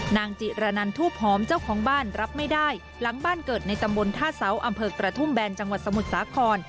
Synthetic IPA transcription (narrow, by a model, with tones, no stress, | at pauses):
naː˧ŋt͡ɕi˨˩ɾa˧na˧nt̪ʰuː˥˩əp̚hɔː˩˦mt͡ɕaː˥˩wkʰɔː˩˦ŋbaː˥˩nɾa˦˥p̚ma˥˩jdaː˥˩j | la˩˦ŋbaː˥˩nkɤː˨˩t̪̚na˧jt̪a˧mbo˧nt̪ʰaː˥˩sa˩˦˥wʔa˧mpʰɤː˧kɾa˧t̪ʰu˥˩mbɛː˧nt͡ɕa˧ŋwa˨˩t̪̚sa˧mu˨˩t̪̚saː˩˦kʰɔː˧n